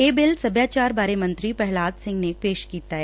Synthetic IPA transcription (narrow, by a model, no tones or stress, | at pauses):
eːbɪlsɐbʱjaːt͡ʃaːɾbaːɾemɐ̃nt̪ɾipɛɦlaːd̪sɪ̃ŋɡnepeːʃkiːt̪aɦɛː